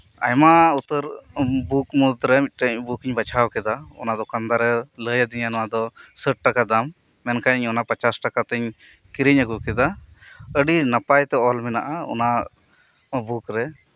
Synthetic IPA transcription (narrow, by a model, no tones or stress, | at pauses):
a̰jmaut̪əɾbukmud̪ɾɛmit̪̚ˀʈəɲbukiɲbat͡ʃʰawkɛd̪aɔ̰nad̪ɔkand̪aɾɛləjad̪iɲanɔwad̪ɔsəʈ̚ʈakad̪amː | ɛnkaɲɔnapat͡ʃasʈakat̪əɲ | kiɾiɲəɡukɛd̪aəɖinapajt̪ɛɔlmɛnaʔaɔ̰na | bukɾɛ